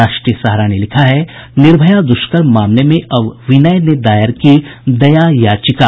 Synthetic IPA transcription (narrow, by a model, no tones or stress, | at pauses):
aːʃʈɾijəsɐɦɾanelɪkʰaɦɛnɪɾbʱəjad̪ʊʃkəɾmmaːmlemẽʔɐʋʋɪnəjned̪aːjɪəɾkid̪ɐjajaːt͡ʃɪkaː